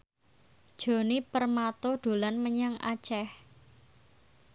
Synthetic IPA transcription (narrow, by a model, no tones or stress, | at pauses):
d̥ʒ̥o̤nipərmat̪oɖ̪̥o̤lanməɲaŋa̰t͡ʃɛh